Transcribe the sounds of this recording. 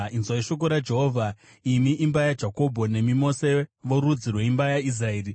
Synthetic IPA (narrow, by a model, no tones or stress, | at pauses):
inzwaiʃo̞k̬oɾad͡ʒe̞ɦoːvʱa | imiʔimbajad͡ʒako̞bʱo̞ne̞mimo̞seʋo̞ɾud͡zirwe̞imbajais̬raeːri